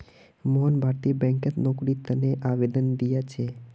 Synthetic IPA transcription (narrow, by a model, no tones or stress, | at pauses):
mɔnbʱaʈ̪ibɛ̃ŋkət̪nokɽit̪əneʔaʋed̪ənd̪ijat͡ʃʰe